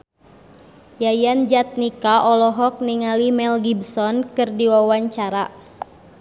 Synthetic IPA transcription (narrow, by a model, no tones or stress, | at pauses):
jajand͡ʒat̪̚nikaʔɔlɔɦɔk̚niŋalimɛlɡibsɔnkɨrdiwawaɲt͡ʃaɾa